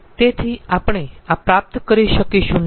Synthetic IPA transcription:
t̪et̪ʰiapəɽ̃eapɾap̚t̪kəɾiʃəkiʃũn

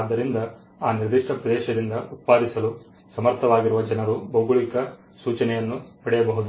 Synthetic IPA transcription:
d̪ːɐɾind̪ɐ | aːniɾd̪iʂʈʰɐpɾɐd̪ɛːʃɐd̪ind̪ɐut̪̚paːd̪isɐlu | sɐmɐɾt̪ʰɐʋaːɡiɾuʋɐd͡ʒɐnɐɾubɐwɡuɭikɐ | suːt͡ʃɐnɛjɐnːupɐɽɛjɐbɐɦud̪u

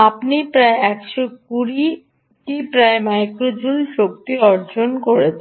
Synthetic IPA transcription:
apnipɾaeɛkʃokuɾi | ʈipɾaemajkɾod͡ʑulʃok̚t̪iɔɾd͡ʑonkoɾet͡ɕʰ

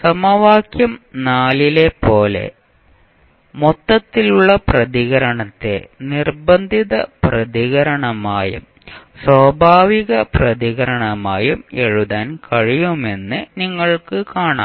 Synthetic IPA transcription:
sɐmɐʋaːkjɐmnaːlile̞po̞ːle̞̰ | mot̪ːɐt̪ːiluɭːɐprɐðiɣɐɾɐɳɐt̪ːe̞̰nirbɐnd̪ʱiðɐ̰prɐðiɣɐɾɐɳɐmaːjṵm | swɐːbʱaːʋiɣɐprɐðiɣɐɾɐɳɐmaːjumeɻuðaːnkɐɻijume̞nːɨniŋːɐɭkɨkaːɳa̰ː

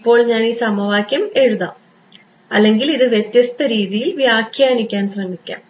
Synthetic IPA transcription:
pːo̞ːɭɲaːniːsɐmɐʋaːkʲjɐme̞ɻuða̰ːm | ɐ̰lːe̞ŋɡiliðɨʋjet̪jɐst̪ɐɾiːðijilʋjaːkʰjaːnikʲːaːnsrɐmːikʲːa̰ːm

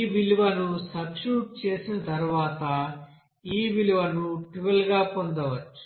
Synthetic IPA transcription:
ʋiluʋɐnusɐbʃuːʈ̚t͡ʃeːsinɐt̪ɐɾuʋaːt̪ɐ | iːʋiluʋɐnuʈiʋɐlɡaːpond̪ɐʋɐt͡ʃːu̥

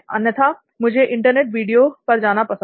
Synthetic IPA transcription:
ɐnjət̪ʰa | mʊd͡ʒʱeʔɪ̃ɳʈəɾneːʈʋiːɖijopɐɾd͡ʒaːnapɐsə̃

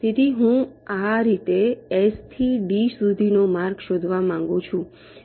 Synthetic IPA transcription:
t̪et̪iɦũaɾit̪eɛst̪ʰiɖisud̪ʱinomaɾɡʃod̪ʱʋamãŋɡũt͡ʃʰũ

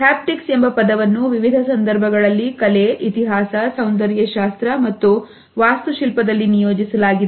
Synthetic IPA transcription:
ɦaːp̚ʈikse̞mbɐpɐd̪ɐʋɐnːuʋiʋid̪ʱɐsɐnd̪ɐɾbʱɐɡɐɭɐlːikɐleʔit̪iɦaːsɐsɐwnd̪ɐɾjɐʃaːst̪ɾɐmɐt̪ːu | ʋaːst̪uʃilpɐd̪ɐlːinijoːd͡ʒisɐlaːɡid̪e

